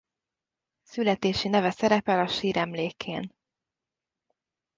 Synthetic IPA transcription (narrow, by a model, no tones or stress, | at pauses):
sylɛt̪eːʃinɛvɛsɛɾɛpɛlɒʃiːɾɛmleːkʰḛːn